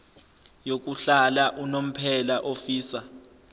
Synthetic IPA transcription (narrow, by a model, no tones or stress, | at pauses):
jok̬ʼuɬalaʔunom̩pʰɛlaʔofiːsa